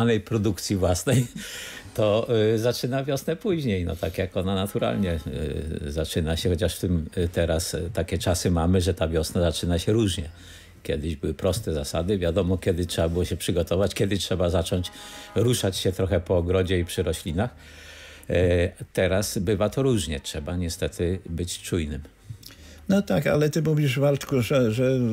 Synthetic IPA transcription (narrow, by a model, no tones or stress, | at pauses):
nɛjpɾɔd̪ukt̪sʲjivwasnɛjt̪ɔzat͡ʂɘnavʲjɔsnɛpuʑɲejnɔ̰t̪akjakɔnanat̪uɾa̰lɲɛ | zat͡ʂɘnaɕɛxɔt͡ɕaʂft̪ɘmt̪ɛɾast̪akʲɛt͡ʂasɘmamɘʐɛt̪avʲjɔsnazat͡ʂɘnaɕɛɾuʐɲɛ | kʲjɛd̪ɘʑbɘwɘpɾɔst̪ɛzasad̪ɘvʲjad̪ɔmɔkʲɛd̪ɘtʂɛbabɘwɔɕɛpʂɘɡɔt̪ɔvat͡ɕkʲjɛd̪ɘtʂɛbazat͡ʂɔɲt͡ɕɾuʂat͡ɕɕɛt̪ɾɔxɛpɔːɡɾɔd͡ʑɛipʂɘɾɔɕlʲinax | t̪ɛɾasbɘvat̪ɔɾuʐɲɛtʂɛbaɲɛst̪ɛt̪ʰɘbɘt͡ɕt͡ʂujnɘm | nɔt̪aka̰lɛt̪ɘmuvʲiʐvalt̪kuʐɛʐɛ